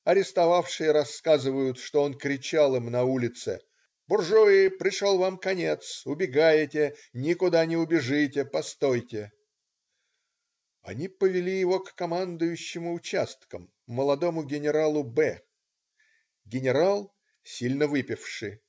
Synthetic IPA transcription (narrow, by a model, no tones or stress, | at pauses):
ɐɾʲɪst̪ɐvafʂɨjəɾɐskazɨvəjʊt̪ʂt̪o̞o̞nkɾʲɪt͡ɕalˠɨmnɐulʲɪt̪sɨ̰ | b̥ʊrʐoɪpɾʲɪʂolˠvamkɐnʲe̞t̪sʊbʲɪɡajɪtʲɪnʲɪkʊd̪anʲɪʊbʲɪʐɨtʲɪpɐst̪o̞jtʲɪ | ɐ̰nʲipəvʲɪlʲijɪvo̞kːɐmand̪ʊjʉɕːɪmʊʊt͡ɕast̪kəmː | əlˠɐd̪o̞mʊɡʲɪnʲɪɾalˠʊbɛ | ɡʲɪnʲɪɾalˠ | sʲilʲnəvɨpʲɪfʂɨ